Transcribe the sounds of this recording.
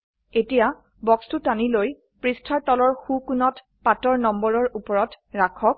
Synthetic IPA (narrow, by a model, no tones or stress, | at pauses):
etija | bɔkstutaniloj | pɹistʰaɹtɔlɔɹxukunɔt | patɔɹnɔmbɔɹɔɹupɔɹɔt | ɹakʰɔk̚